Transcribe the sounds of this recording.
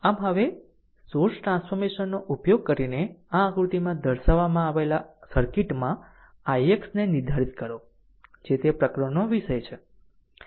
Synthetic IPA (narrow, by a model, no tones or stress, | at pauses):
amɦəʋe | soɾsʈɾãnsfʰɔɾmeʃənːoʔupjoɡ̚kəɾineããɡɾut̪imãd̪ʱəɾʃəʋamãaʋelasəɾkiʈmã | ajeksnenɪɾd̪ʱaɾit̪kəɾo | d͡ʒet̪epɾəkɾəɳoʋiʃəjt͡ʃʰe